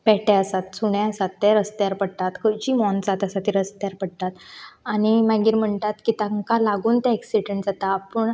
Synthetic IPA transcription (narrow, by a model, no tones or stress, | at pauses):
pɛʈɛəsat̪suɳjãəsat̪ːɛɾəst̪jaɾpəɽt̪at̪kʰəɾt͡ɕiːmɔnt͡sat̪əsat̪ːiɾəst̪jaɾpəɽt̪at̪aɽ̃imaɡiːɾm̤əɳt̪at̪kit̪aŋkalaɡuːnt̪aeksiɖəɳʈd͡zat̪aːpəɳ